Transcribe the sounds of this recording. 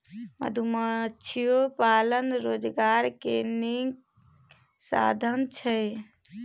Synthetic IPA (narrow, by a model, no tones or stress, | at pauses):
mə̰d̪ʱumət͡ʃʰijopalənɾod͡ʒɡaɾkeniŋɡ | sa̰d̪ʱənt͡ʃʰəj